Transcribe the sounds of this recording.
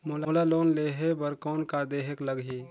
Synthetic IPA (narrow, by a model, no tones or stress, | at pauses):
moloːlaloːnleːɦebəɾkɔːnkad̪eːɦekləɡɦi